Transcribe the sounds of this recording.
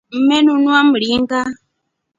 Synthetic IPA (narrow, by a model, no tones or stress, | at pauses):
m̩menunuamuɺiŋɡa